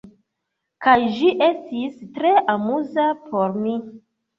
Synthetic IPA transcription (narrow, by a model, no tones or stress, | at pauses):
kajʒiʔe̞stistɾe̞ʔamuzapʰo̞ɾmi